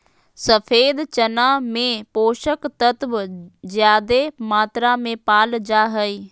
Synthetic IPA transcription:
səfʰeːd̪t͡ʃənaːmẽpoːʃəkt̪ət̪ʋzjaːd̪emaːt̪ɾamẽpaːld͡ʒaːɦəiː

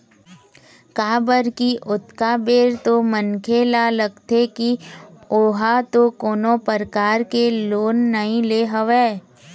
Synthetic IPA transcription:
kaːbəɾkiʔʊt̪kabeːɾt̪omənkʰelaləɡt̪ʰekioɦat̪okoːnõpəɾkaːɾkeloːnːəɦĩleːɦɐʋeː

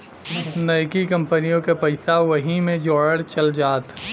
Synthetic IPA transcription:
nɐjkikɐ̃mpənijõkepɐɪsaʋɐɦimẽd͡ʒɔːɽəɽt͡ʃɐld͡ʒaːt̪

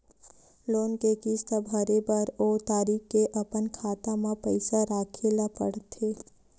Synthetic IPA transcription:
loːnkekist̪abʱɐɾebəɾoːt̪aːɾiːkkeʔɐpənkʰaːt̪amãpəɪsaɾaːkʰelapə̰ɽt̪ʰeː

